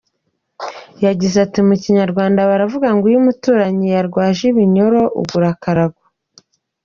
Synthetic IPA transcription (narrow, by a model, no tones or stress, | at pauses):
jaɟizatimuciɲaɾɡwaːndaβaɾavuɡaŋɡujumutuːɾaɲijaɾɡwaːʒiβiɲo̞ɾo̞ʔṵɡuɾakaɾaɡwa